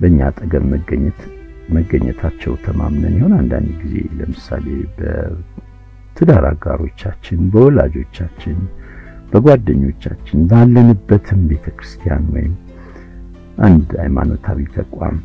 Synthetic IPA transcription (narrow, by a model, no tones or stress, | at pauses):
bəɨɲːat̪ʼəɡəmːəɡəɲːɛt̪ | məɡːəɲːɛt̪ʰat͡ʃːɛwt̪ʰəmamnənjho̞nand̪and̪ɡize̞ləmɨsale̞bə | t̪ʰɨd̪aɾaɡaɾot͡ʃːat͡ʃːɪnbəwɔlad͡ʒo̞t͡ʃːat͡ʃːɪnb̥əɡwad̪ːəɲːo̞t͡ʃːat͡ʃːɪnbalːənɨbːət̪ʰɨmbe̞t̪ʰəkɾɨst̪ʰijanwɔjɪm | ʔand̪ajmanot̪ʰawit̪ʰəkʼam